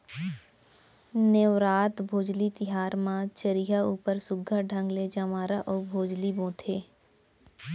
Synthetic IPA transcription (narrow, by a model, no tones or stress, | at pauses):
neʋɾaːt̪bʱoːd͡ʒlit̪ɪɦaːɾmãt͡ʃəɾiɦauːpəɾsʊɡʱːəɖʱə̃ŋɡled͡ʒamaːɾaʔɔːbʱoːd͡ʒlibõːt̪ʰeː